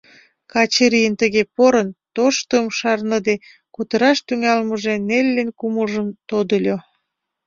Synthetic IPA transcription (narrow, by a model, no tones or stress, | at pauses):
kɑt͡ɕeɾijənt̪əɣepoɾənt̪oʃt̪əːmʃɑrnəd̪e | kut̪əɾɑʃt̪yŋɑlməʒenelʲːenkuməlʒəmt̪od̪əlʲo